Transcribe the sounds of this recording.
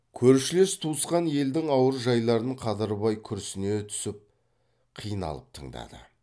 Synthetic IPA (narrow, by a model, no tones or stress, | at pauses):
kʲʰɵɾʃɪlest̪ʰusqɑnje̞ld̪ɪŋɑwəɾʒɑjlˠɑɾənəɴqʰɑd̪əɾβɑjkʲʰʏɾsɪne̞t̪ʰʏ̥sɪp̚ | qʰijənɑ̰lˠəp̚t̪ʰəɴd̪ɑ̰d̪ə̰